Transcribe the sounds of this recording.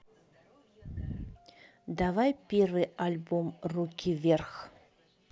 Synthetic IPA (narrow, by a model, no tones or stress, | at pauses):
d̪avajpʲervɨjalʲbomrukʲʰivʲerx